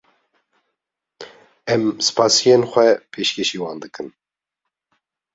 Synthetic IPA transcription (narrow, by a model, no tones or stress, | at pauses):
ɛmsɨ̥pʰɑːsijenxʷɛpʰeːʃkʲʰeʃiːwɑːnd̪ɨkʰɨn